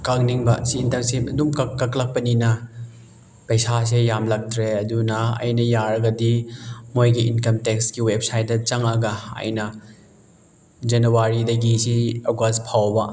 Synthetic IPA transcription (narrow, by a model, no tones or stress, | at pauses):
kaŋniŋbɐsiːntɐɾsipɐdumkɐkːɐklɐk̚pɐninɐ | pɐjsas̬ejamlɐk̚tʰɾeɐdunɐɐ̰jnɐjaɾɐɡɐdimojɡiinkɐmtekskiwep̚sajt̚dɐt͡ʃɐŋɐɡɐɐ̰jnɐ | d͡ʒɐnuwaɾidɐɡisiɐɡwaspʰawbɐ